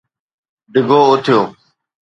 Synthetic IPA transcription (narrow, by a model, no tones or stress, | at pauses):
ɖɪɡʱoːʊt̪ʰjoː